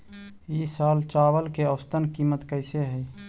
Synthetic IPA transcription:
isaːlt͡ʃawəlkeəwst̪ənkimət̪kəɪseɦəj

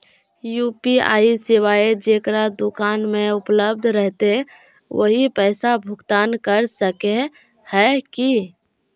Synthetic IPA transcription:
juːpia̰ːisiwaːed͡ʒekɾad̪ʊkaːnmẽʊpləb̚d̪ʱɾəɦt̪e | wə̰ɦipɛɪsabʱʊɡt̪aːnkəɾsəke | hɛki

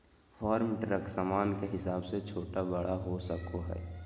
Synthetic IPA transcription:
pʰaːɾmʈɾəksaːmaːnkeɦɪsaːbset͡ʃʰoːʈabəɽaɦosəkoɦɛ̰ː

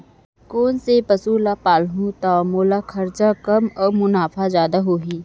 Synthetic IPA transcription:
koːnsepɐsuːlapaːlɦũt̪amoːlakʰɐɾt͡ʃakɐmɔːɾmʊnaːfʰazjaːd̪aɦoːɦiː

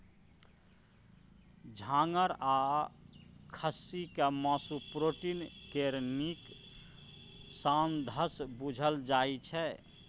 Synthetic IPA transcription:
d͡ʒʱãŋəɾa | kʰəsikemasupɾoʈinkeɾnik | sand̪ʱəsbud͡ʒʱəld͡ʒajt͡ʃʰɛ

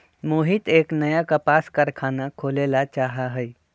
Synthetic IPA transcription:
muːɦɪt̪eːknəjakapaːskəɾkʰaːnakʰoːleːlat͡ʃaːɦaɦɛi

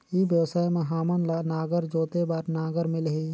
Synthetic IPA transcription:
ibjəwsaːjmẽɦaːmənlaːnaːɡəɾd͡ʒoːt̪ebaːɾnaːɡəɾmɪlɦiː

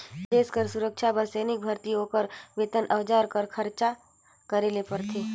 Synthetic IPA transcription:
d̪eːskəɾsʊɾəkʃʰabəseːnɪk̚bʱɐɾt̪iɦokəɾʋeːt̪ənʔɐʋd͡ʒaːɾkəɾkʰəɾt͡ʃa | kəɾeːlepəɾt̪ʰeː

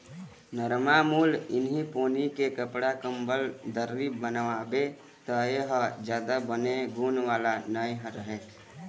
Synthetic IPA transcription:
nəɾmamuːlɪnɦipoːnikekəpɽakəmbəld̪əɾɾibənabe | t̪əeɦəd͡ʒjaːd̪abəneɡuːnʋaːlanəjɦə̃ɾəɦe

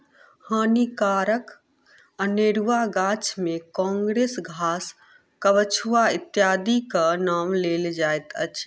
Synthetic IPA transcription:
hənikaɾək | əneɾuʋaɡat͡ʃmekɔ̃ːŋɡɾesɡʱaːs | kəʋət͡ʃʰuait̪jaːd̪ikənaːmleld͡ʒajt̪ət͡ʃʰ

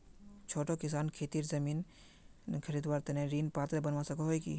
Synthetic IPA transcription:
t͡ʃʰoːʈokɪsaːnkʰeːt̪iːɾzɐmiːn | kʰɐɾiːd̪ʋaːɾt̪enẽɾiːnpaːt̪ɾebɐnʋasɐkoɦoikḭː

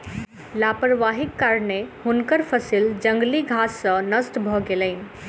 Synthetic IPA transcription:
lapəɾʋaɦikːaɾnehunkəɾpʰəsild͡ʒə̃ŋɡliɡʱasːə̃nəsʈ̪bʱɔɡeləɪnĭ

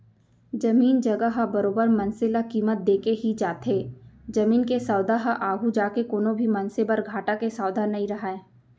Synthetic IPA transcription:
d͡ʒɐmiːnd͡ʒɐɡəɦabɐɾoːbəɾmɐnsɪlakiːmət̪̚d̪eːkeɦid͡ʒaːt̪eːd͡ʒɐmiːnkesaːwd̪ʱaɦaʔaːɡʱud͡ʒaːkekoːnõbʱimɐ̃nsebəɾɡʱaːʈakesaːwd̪ʱanɐɦĩɾɐɦaẽː

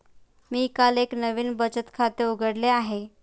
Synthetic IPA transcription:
miːkaleknəʋiːnbət͡ɕət̪kʰat̪euɡʱəɽleaɦe

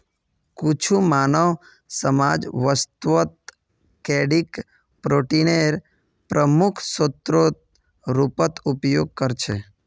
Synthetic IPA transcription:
kut͡ʃʰumanəʋ | səmad͡ʒʋəst̪ʋət̪̚ | kɛɖik | pɾoʈineɾ | pɾəmukʰsot̪ɾot̪ | ɾupət̪upjoɡ̚kəɾt͡ʃʰe

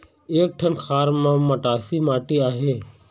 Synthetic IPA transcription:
eːk̚ʈʰənxʰaːɾmãːməʈaːsiːmaːʈiːaːɦeː

